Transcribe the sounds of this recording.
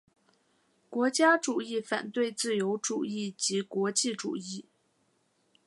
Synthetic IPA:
kwɔ˧˥t͡ɕja˥ʈ͡ʂu˨˩i˥˩fa̰˨˩nt̪we˥˧ɪt͡sɹ̩˥˩jo˧˥ʊʈ͡ʂu˨˩i˥˩t͡ɕi˧˥kwɔ˧˥t͡ɕi˥˩ʈ͡ʂṵ˨˩i˥˩

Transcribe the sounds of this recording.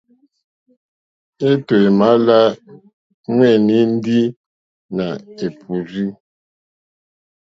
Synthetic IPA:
e˦twe˨ma˦la˦ | ŋwɛ˦˨ni˦n̩˦di˦ | na˨e˨pʰu˨zi˦

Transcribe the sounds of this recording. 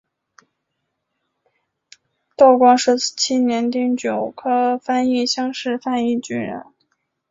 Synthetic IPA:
t̪ɑ˥˩ʊkwɑ˥ŋʂɻ̩˥˩t͡ɕʰi˥njɛ˧˥nt̪i˥˩ŋt͡ɕjo˨˩ʊkʰɤ˥fa˥ni˥˩ɕjɑ˥ŋʂɻ̩˥˧fa˥˧ni˥˩t͡ɕy˥˩nɻə̰˧˥n

